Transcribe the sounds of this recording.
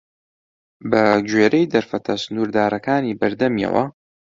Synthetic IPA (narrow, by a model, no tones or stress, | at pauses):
bɐd͡ʒweːɾejd̪ɐɾfɐt̪ʰɐsɨnuːɾd̪aːɾɐkaːniːbɐɾd̪ɐmjɐ̰wɐ̰